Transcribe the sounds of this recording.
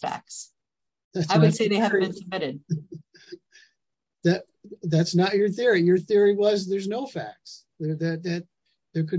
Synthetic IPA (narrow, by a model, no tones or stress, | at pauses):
fæ̰k̚s | ðætsaɪwɨdseɪðeɪɦæv̩ɨ̃ntʰə˞mɪɾɪd̚ | ðɨt̚ | ðætsnət͡ʃə˞θɪɹijə˞θɪɹiwʌzðə˞znoʊfæ̰k̚s | ðə˞ðɨt̪̚ðɨt̪̚ | ðə˞kʰɨ